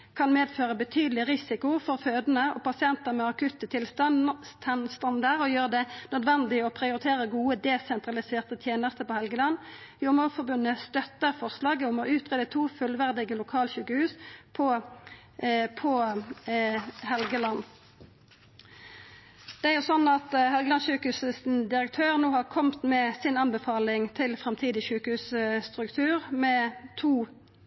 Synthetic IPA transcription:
kʰɑnmeːd̪føːʁəbət̪ʰyːd̪l̩ɪʁɪsɪkʊfɔɾføːd̪ənəʔɔpɑsɪɛnt̪əʁmɛɑkʰʉt̪ːət̪ʰɪlst̪ɑnt̪ʰɛnst̪ɑnd̪əɾɔjøːʁəd̪ɛnœd̪ʋɛnd̪ɪɔpʰɾɪʊɾɪt̪ʰeːɾəɡuːəd̪ɛsɛnt̪ʁɑlɪseːʁt̪ət̪ʰjeːnəst̪əpɔhɛlɡəlɑnːjʊmufɔʁbʉnːəst̪œt̪ːəɾfɔʁslɑːɡəɔmɔʔʉːt̪ʁeːd̪ət̪ʰuːfʉlʋæʁd̪ɪɡəlʊkʰɑːlɕʉːkəhʉːspʰɔ | pʰɔ | hɛlɡəlɑnː | d̪̥ɛæɾʁjʊsɔnːɑt̪hɛlɡəlɑnɕʉːkəhʉːsəs̩d̪ɪɾək̚t̪ʰøːʁnoːhɑʁkʰɔmt̪mɛsɪnɑnbəfɑːlɪŋt̪ʰɪlfɾɑmt̪ʰiːd̪ɪʃʉːkəhʉːsst̪ʁʉkt̪ʰʉːʁmɛt̪ʰuː

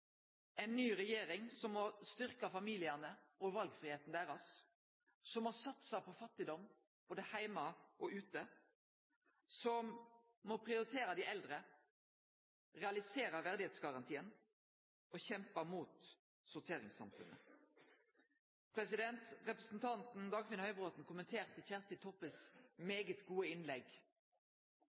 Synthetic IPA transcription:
ɛnːyːʁɛjeːɾɪŋsɔmːɔst̪ʏʁkɑfɑmiːlɪənəɔʋɑlɡfɾʁɪheːt̪n̩d̪æːʁɑsː | ɔmːɔsɑt̪sɑpʰɔfɑt̪ːɪd̪ɔm | b̥oːd̪əhæɪmɑʔɔʉːt̪ə | sɔm | mɔpʰʁɪʊɾɪt̪ʰeːɾɑd̪ɪʔɛld̪ʁə | ʁɛɑlɪseːɾəʋæʁd̪ɪheːt̪sɡɑʁɑnt̪ʰiːən | ɔçɛmpəmuːt̪ | sʊʁt̪ʰeːʁɪ̰ŋsɑ̰mfʉ̰nə̰ | pʰʁɛsɪd̪ɛnt̪ʁɛpɾəsn̩t̪ʰɑnt̪n̩d̪ɑːɡfɪnhœʏbʁoːt̪n̩kʊmənt̪ʰeːʁt̪ʰːɪlçæːʁst̪ɪt̪ʰɔpəsmeːɡət̪ɡuːəɪnlɛɡ

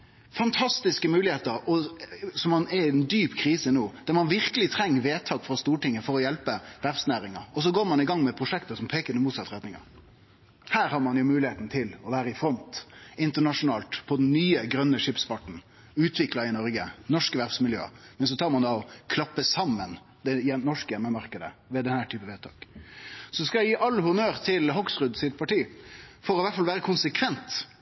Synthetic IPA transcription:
fɑnt̪ʰɑst̪ɪskəmʉːlɪheːt̪əɾɔsɔmːɑnɛnd̪yːpkʰɾiːsənuːd̪̥æɾmɑnʋɪɾkəlɪt̪ʰɾɛŋːəʋeːt̪ʰɑːɡfɾɑst̪uːʈɪŋːəfɔɾɔjɛlpəʋæɾbsnæːɾɪŋɑɾɔs̬ɔɡoːɾmɑnɪɡɑŋːmɛpʰɾʊʂɛkt̪əsɔmpʰeːkəd̪ɛmuːt̪sɑt̪ːʁɛt̪nɪŋɑ̰ | hæːɾhɑɾmɑnjʊmʉːlɪheːt̪n̩t̪ʰɪlɔʋæːɾəɪfɾɔnt̪ɪnt̪əɳɑʂʊnɑːlt̪pʰɔd̪ɛnnyːəɡɾœnːəʂɪpsfɑʈn̩ | ʉːt̪ʰʋɪklɑɪnɔɾɡənɔʂkəʋæɾsmɪljø̰ːə̰mɛns̬ɔt̪ʰɑːɾmɑnd̪ɑɔkʰlɑpːəsɑmːən | d̪ɛjɛnɔʂkəjɛmːəmɑɾkəd̪ə̰ʋɛd̪ɛnəæʈʰyːpəʋeːt̪ʰɑ̰ːksɔskɑjæɪjiːʔɑlːhʊnøːɾt̪ʰɪlɦɔksʁʉd̪sɪt̪̚pʰɑʈiːfɔɾɔʋæʈfɑlʋæːɾəkʰʊnsəkʰʋɛnt̪

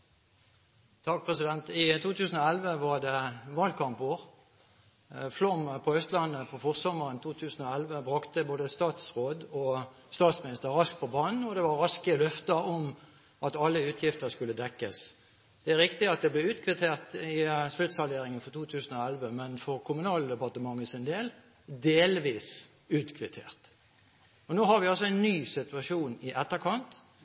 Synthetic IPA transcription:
t̪ʰɑk̚pʰʁɛsɪd̪ɛnt̪ɪt̪ʰuːt̪ʰʉːsn̩ɔɛlʋəʋɑd̪ɛʋɑːld̪kʰɑmpoːʁ | flɔmpʰɔœst̪lɑnəpʰɔfɔʁsɔməʁənt̪ʰuːt̪ʰʉːsn̩ɔɛlʋəbʁɑkt̪əboːd̪əst̪ɑːt̪sʁoːd̪ɔst̪ɑːt̪smɪnɪst̪əʁʁɑskt̪pʰɔbɑːnn̩ɔd̪ɛʋɑʁʁɑskəlœft̪əɔm | ʔɑt̪ɑlːəʉːt̪ʰjɪft̪əɾskʉlːəd̪ɛkːəs | d̪̥ɛæɾʁɪkt̪ɪɑt̪̚d̪ɛblɛʉːt̪kʰʋɪt̪ʰeːʁt̪ɪslʉt̪sɑleːɾɪŋənfɔʁt̪ʰuːt̪ʰʉːsən̩ɔɛlʋəmɛnfɔʁkʰʊmʉnɑːləd̪ɛpɑʁt̪əmɑŋːəsɪnd̪eːl | d̪eːlʋiːs | ʉːt̪kʰʋɪt̪ʰḛːʁt̪ | ɔnoːhɑɾʋɪɑlsɔæɪnːyːsɪt̪ʉɑʃuːnɪʔɛt̪ːəɾkʰɑnt̪

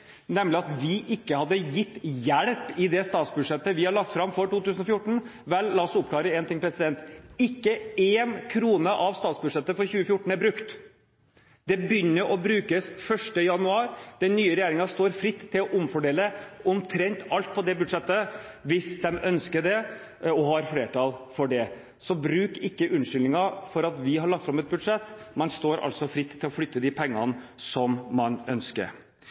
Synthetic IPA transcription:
nɛmːlɪɑt̪ʋɪʔɪkːəhɑd̪ːəjɪt̪ːjæɽpɪd̪ɛst̪ɑːt̪sbʉd̪ʂɛt̪ːəʋɪhɑɭɑkt̪fɾɑmfɔʈuːt̪ʉːsn̩ɔfjʊʈːɳ̩ | ʋɛlːɑːɔsʊp̚ːklɑːɾəɛːnt̪ɪŋpʰɾɛsɪd̪ɛnt̪ɪkːəeːnkʰɾuːnəʔɑʋst̪ɑːt̪sbʉd̪ʂɛt̪ːəfɔɾçʉːəfjʊʈːɳ̩æɾbɾʉkt̪ | d̪ɛbjʏnːəɾʔɔbɾʉːkəsfœʂʈəjɑnʉɑːɾd̪̥ɛnnːyːəɾɛjæːɾɪŋɑst̪oːɾfɾɪt̪ʰːɪlɔʔʊmfɔɖeːləʊmt̪ʰɾɛnt̪ɑlt̪̚pʰɔd̪ɛbʉd̪ʂɛt̪ːəʋɪsd̪ɛmœnskəɖɛ | ɔɦɑɾfleːʈ̪ɑlfɔɖɛ | sɔbɾʉːkɪkːəʔʉnʂʏlnɪŋɑfɔɾɑt̪ʋɪɦɑɭɑk̚t̪fɾɑmɛt̪̚bʉd̪ʂɛt̪ːmɛnst̪oːɾʔɑ̰lsɔfɾɪt̪ʰːɪlɔflʏt̪ːəd̪ɪpʰɛŋːɑ̰nsɔmmɑnœnskə̰ɾ

